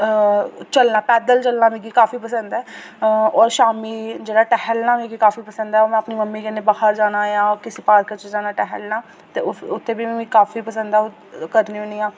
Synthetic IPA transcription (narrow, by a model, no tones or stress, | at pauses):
t͡ʃəlnaːpɛːd̪əlt͡ʃəlnaːmĩɡikaːfiːpəsə̃nd̪ɛː | ɔːɾʃaːmiːd͡ʒeːɽaːʈɛɦəlnaːmĩːɡikaːfiːpəsə̃nd̪ɛːoːmɛ̃ːəpniːməmːiːkɪnebahəɾd͡ʒaːnaːjãːkɪsepaːɾkət͡ʃed͡ʒaːnaːʈɛɦəlnãː | t̪ḛːʊʊt̪ʰːeːbiːĩkaːfiːpəsə̃nd̪aɛo | kəɾniːʊniːãː